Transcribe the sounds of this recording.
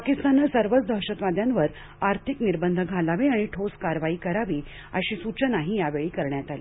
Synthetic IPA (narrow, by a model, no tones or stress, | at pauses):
pakist̪anəsəɾʋət͡sd̪ʱəɦɕət̪ʋad̪ʱjanʋəɾ | aɾt̪ʰikniɾbənd̪ʱəɡʱalaʋeaɽ̃iʈʰoskaɾʋaiːkəɾaʋiː | ə̰ɕiːsut͡ɕənaɦijaʋeɭiːkəɾɳjat̪ali